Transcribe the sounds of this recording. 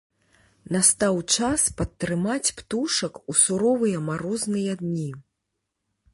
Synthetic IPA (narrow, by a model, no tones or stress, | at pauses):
nast̪awt͡ʂaspɐt̪ːɾɨmat͡sʲpt̪uʂɐkusuɾɔvɨjɐmaɾɔznɨjɐd̪nʲi